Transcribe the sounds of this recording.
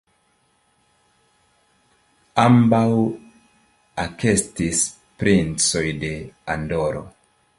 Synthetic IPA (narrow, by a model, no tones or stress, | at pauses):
ambaw | ake̞stis | pɾint͡so̞jde̞ando̞ɾo̞̰